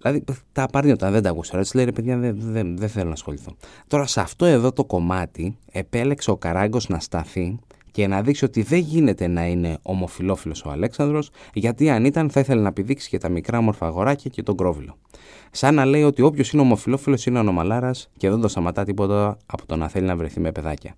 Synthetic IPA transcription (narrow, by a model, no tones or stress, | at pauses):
ilɐðit̪ɐpɐɾnio̞t̪ɐnðed̪ɐkusɐɾisileiɾepeðʝɐðeðeðeθe̞lo̞nɐsxo̞liθo̞t̪o̞ɾɐsɐft̪o̞e̞ðo̞t̪o̞ko̞mɐt̪ie̞pe̞le̞kse̞o̞kɐɾɐŋɡo̞znɐst̪ɐθi | ce̞nɐðiksio̞t̪iðe̞ʝine̞t̪e̞nɐine̞o̞mo̞filo̞filo̞so̞ɐ̰le̞ksɐnd̪ɾo̞sʝɐt̪iɐnit̪ɐnθɐiθe̞lenɐepiðiksi̥cet̪ɐmikɾɐomo̞ɾfɐːɣo̞ɾɐcɐce̞t̪o̞ɡɾo̞vilo̞ | sɐnːɐle̞io̞t̪io̞pço̞sine̞o̞mo̞filo̞filo̞sineono̞mɐlɐɾɐsce̞ðend̪o̞st̪ɐmɐt̪ɐt̪ipo̞t̪ɐːpot̪o̞nɐθe̞linɐvɾe̞θime̞peðɐcɐ